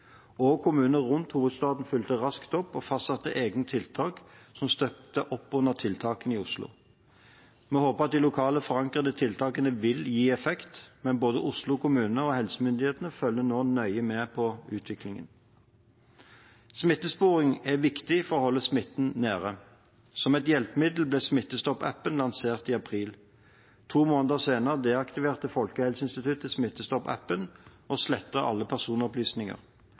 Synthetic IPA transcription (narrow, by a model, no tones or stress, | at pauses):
ɔkʰʊmʉːnəʁʊnt̪huːʋəd̪st̪ɑːd̪n̩fʏlt̪əʁɑskt̪ɔpːɔfɑst̪sɑt̪ːəʔeːɡnət̪ʰɪlt̪ʰɑːksɔmst̪œp̚t̪əʔɔpːʉnːəʁt̪ʰɪlt̪ʰɑːkəniːʊslʊ̰ | mɛːhoːpəʁɑt̪̚d̪ɪlʊkʰɑːləfɔʁɑŋkʁəd̪ət̪ʰɪlt̪ʰɑːkənəʋɪljiːɛfɛkt̪mɛnboːd̪əʔʊslʊkʰʊmʉːnənəɔhɛlsəmʏnd̪ɪheːt̪ənəfœlːənoːnœʏəmɛːpʰɔʉːt̪ʰʋɪklɪŋə̰n | smɪt̪ːəspuːʁɪŋæʋɪkt̪ɪfɔʁɔːhɔlːəsmɪt̪ːn̩næːʁə | sɔmɛt̪jɛlpəmɪd̪l̩blɛːsmɪt̪ːəst̪ɔpæ̰pːənlɑnseːʁt̪iːɑpʰʁiːl | t̪ʰuːmoːnəd̪əʁseːnəʁəd̪eːɑkt̪ɪʋeːʁt̪əfɔlkəhɛlsəɪnst̪ɪt̪ʰʉt̪əsmɪt̪ːəst̪ɔpæ̰pːənʔɔslɛt̪ːəɑ̰lːəpʰæʁsuːnɔplyːsnɪŋə̰ʁ